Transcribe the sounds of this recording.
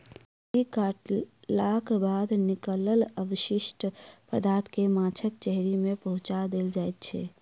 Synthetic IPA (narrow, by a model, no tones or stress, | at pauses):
ikaʈlakbad̪nikələləbəʃiʃʈpɾəd̪aɾt̪ʰkemat͡ʃʰəkt͡ʃɛɦɾimepəɦũt͡ʃad̪eld͡ʒajt̪̚t͡ʃʰɛ̰